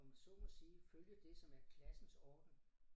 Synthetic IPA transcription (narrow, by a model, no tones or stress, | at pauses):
ɒmæsɔ̰mɒsiːføljəd̥e̝sɒ̽mæɐkʰlæsn̩sɒ̰ːd̥̩